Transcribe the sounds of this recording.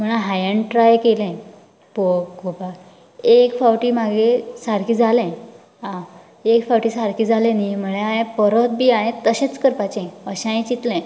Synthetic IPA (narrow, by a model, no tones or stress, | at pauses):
m̤əɭ̃ãɦajəɳʈɾajkelɛ̃ | pokupa | ekfawʈiːmaɡesaɾkiːd͡zʱalɛ̃ | ã | ekfawʈiːsaɾkiːd͡zʱalẽnim̤əɭeaɦẽpəɾət̪̚biaɦẽt̪əɕẽt͡skəɾpat͡ɕɛ̃əɕãj̃t͡ɕit̪lɛ̃